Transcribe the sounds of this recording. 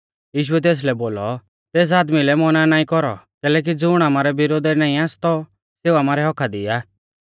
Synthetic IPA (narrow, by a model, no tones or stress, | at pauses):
jiːʃ̬ʊɛt̪̬eːs̬lɛboːlɔ | t̪eːs̬aːd̪milɛmɔnanaːĩkɔɾɔ̰kɛːlɛːk̬id͡zʊɽ̃aːmaːɾɛbɪɾoːd̪ɛɾnaːĩaːst̪ɔ | seːuaːmaːɾɛɦɔkʰad̪ɪ̰jaː